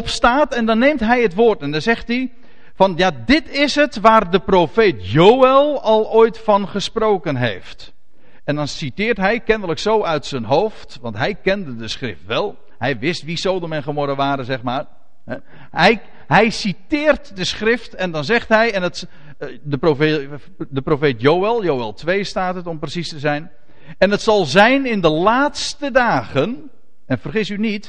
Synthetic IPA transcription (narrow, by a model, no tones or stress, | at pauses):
ɔpstaːtɛndɑnːeːmtɦɛjətʋoːrtɛndɑnzɛχti | fɑnjadɪtɪsɦətʋaːrdəprofeːtjowɛlˠɑlˠoːjtfɑnχəsproːkənɦḛjft | ɛndɑnsitɪːrtɦɛjkɛndələksowœɥtsənɦowftʋɑntɦɛjkɛndədəsχrɪ̰ftʋɛlˠ | ɦɛjʋɪstʋisowdəmɛnχəmɔɾəʋaːɾəzɛχmaːr | ɦɛ | ɛj | ɦɛjsitɪːrtdəsχrɪftɛndɑnzɛχtɦɛjɛnət | dəprofe | dəprofeːtjowɛlˠjowɛlˠtʋejstaːtətɔmprəsistəzɛjn | ɛnətsɑlˠzɛjnɪndəlaːtstədaːɣən | ɛnfərχɪsynit